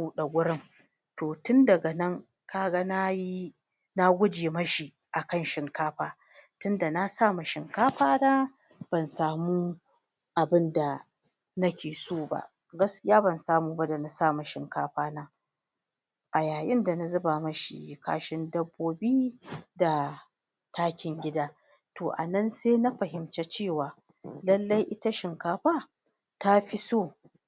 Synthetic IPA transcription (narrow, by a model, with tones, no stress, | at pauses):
u˦ɗa˨ɡʷʊ˦ɽɪ˦ŋ | toː˨tʊ˦ndɐ˨ɡa˨nɐ˦ŋ | kaː˦ɡa˦na˦ji˦ | na˦ɡʷʊ˦d͡ʒeː˨mɐ˦ʃi˨ | ʔa˨kɐ˦˨nʃɪ˨ŋkaː˦ɸaː˦ | tʊ˦nda˨na˦saː˦˨mu˨ʃɪ˨ŋkaː˦ɸaː˦naː˦ | b̥ɐ˨nsaː˨muː˦ | ʔa˨bɪ˦nda˨ | nɐ˦kʲeː˨soː˦ba̰˦˨ʔ | ɡɐ˦skʲɪ˦jaː˦bɐ˨nsaː˦muː˨ba˦da˨na˨saː˦˨mu˨ʃɪ˨ŋka̰ː˦ɸaː˦naː˦ | ʔa˨jaː˨jɪ˦nda˨na˨zɐ˦baː˨mɐ˦ʃḭ˨ka̰ː˦ʃɪ˦ndɐ˦bːoː˦biː˦da˨ | tʰaː˦kʲɪ˨ŋɡʲɪ˦daː˦ | toː˨ʔa̰˨nɐ˦nseː˦na˦ɸɐ˨ɦɪ˨mt͡ʃe˦t͡ʃeː˦˨waː˨ | lɐ˦lːa˦jʔɪ˦ta˦ʃɪ˨ŋkaː˦ɸaː˦ | ta˦ɸi˦soː˦˨